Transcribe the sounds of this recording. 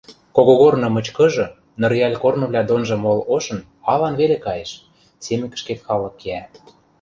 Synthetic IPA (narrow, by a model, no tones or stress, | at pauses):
koɣoɣornɤ̆mɤ̆t͡ɕkɤ̆ʒɤ̆ | nɤ̆rjɑlʲkornɤ̆βlʲɑd̪onʒɤ̆moloʃɤ̆n | ɑlɑnβelekɑjeʃ | semɘ̆kə̥̆ʃket̪xɑlɤ̆kːeæ